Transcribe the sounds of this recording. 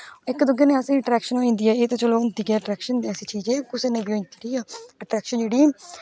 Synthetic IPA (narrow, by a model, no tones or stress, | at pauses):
ɪkd̪ʊɡeːnẽːəsĩːəʈɾɛːkʃənoːĩːnd̪iːɛːeːt̪õːt͡ʃəloːʊnt̪iːkɛːʈɾɛːkʃənd̪eːɛːsiːt͡ʃiːd͡ʒeːkʊseːnẽːbiõːĩnt̪iɾiːɛːəʈɾɛːkʃənd͡ʒeːɽiː